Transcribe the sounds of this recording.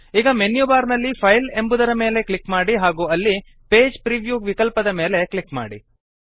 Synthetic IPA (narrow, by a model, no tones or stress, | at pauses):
iːɡɐmenjubaːɾnɐlːipʰɐjle̞mbud̪ɐɾɐme̞ːle̞klikmaːɽiɦaːɡuːɐlːi | pe̞ːd͡ʒpɾiʋjuːɡʋikɐlpɐd̪ɐme̞ːle̞klikma̰ːɽḭ